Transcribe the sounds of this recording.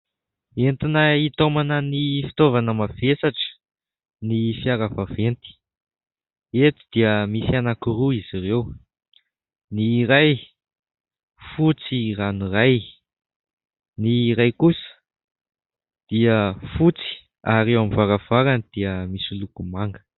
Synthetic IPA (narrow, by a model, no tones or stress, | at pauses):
ent̪inəit̪omanənifi̥t̪ovanəmavesaʈ͡ʂə̥ | nifiaɾəvavent̪i̥ | et̪i̥d̪iəmisianakiruizirew | niɾaj | fut͡siraniraj | niɾajkusə̥ | d̪̥iəfut͡si̥ | aɾewamivaɾav̥aɾanid̪̥iəmisilukumaŋɡə̥